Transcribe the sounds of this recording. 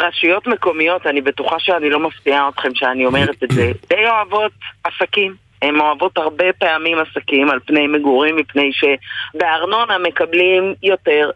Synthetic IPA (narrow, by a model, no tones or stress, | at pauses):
ʁaʃujo̞tmeko̞mijo̞tanibe̞tuχaʃeanilo̞maftiaotχe̞mʃeanio̞me̞ʁetetze̞dejo̞avo̞tasakim | emo̞avo̞thaʁbe̞peamimasakimalpnejmeɡuʁimːipne̞jʃe̞be̞aʁno̞nhame̞kablimjo̞te̞ʁ